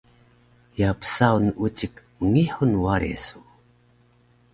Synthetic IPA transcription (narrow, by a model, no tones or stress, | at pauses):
japə̥sawnəʔut͡ɕəkməŋiħunwaɾḛsu